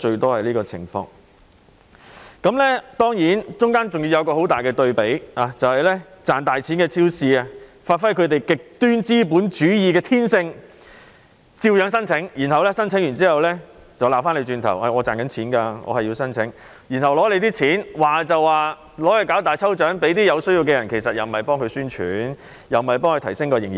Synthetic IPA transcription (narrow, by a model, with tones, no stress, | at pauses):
t͡ʃɵ˧ɥt̪ɔː˥hɐ˨jliː˥kɔː˧t͡sʰɪ̰˨˩ŋfɔ̰ː˧ŋ | kɐ˨˥mlɛː˥t̪ɔː˥ŋjiː˨˥nt͡ʃʊ˥ŋkaː˥nt͡sʊ˨ŋjiː˧jɐ˨˧wkɔː˧ɦo˨˥wt̪aː˨jkɛː˧t̪ɵ˧ɥpe˨˥jaː˨˩t͡sɐ˨whɐ˨jlɛː˥t͡saː˨˩nt̪aː˨jt͡sʰiː˨˥nkɛː˧t͡sʰiː˥wsiː˨˧a˧ | faː˧t̚fɐ˥jkʰɵ˨˧t̪e˨jkɪ˨k̚t̪yː˥nt͡siː˥p̬uː˨˥nt͡ʃyː˨˥jiː˨˧kɛː˧t̪ʰiː˥nsɪ˧ŋ | t͡siː˧wjœː˨˧ŋsɐ˥nt͡sʰɪ˨˥ŋji˨˩nɦɐ˨wlɛː˥sɐ˥nt͡sʰɪ˨˥ŋjyː˨˩nt͡siː˥hɐ˨wlɛː˥ | t͡sɐ˨wlaː˨wfaː˥nle˨˧jt͡ʃyː˧nt̪ʰɐ̰˨˩wʔɐ˨ŋɔː˨˧t͡saː˨nkɐ˨˥nt͡sʰiː˨˥nkaː˧ŋɔ̰ː˨˧hɐ˨jːi˧wsɐ˥nt͡sʰɪ˨˥ŋ | ji˨˩nhɐ˨˩wlɔː˨˥le˨˧jt̪iː˥t͡sʰiː˨˥nwaː˨t͡sɐ˨wːaː˨ | lɔː˨˥hɵ˨˧jkaː˨˥wt̪aː˨jt͡sʰɐ˥wt͡ʃœː˨˥ŋpe˨˥jt̪iː˥jɐ˨˧wsɵ˥ɥjiː˧wkɛ˧jɐ˨˩nkʰe˨˩jsɐ˨t̚jɐ̰˨˩m˨mɐ˨˩jpɔː˥ŋkʰɵ˨˧ɥsyː˥nt͡ʃʰy̰˨˥n | jɐ˨˩wm˨ɐ˨jp̬ɔː˥ŋʰɵ˧t̪ʰɐ˨˩jsɪ˥ŋkɔː˧jɪ˨˩ŋji˨˩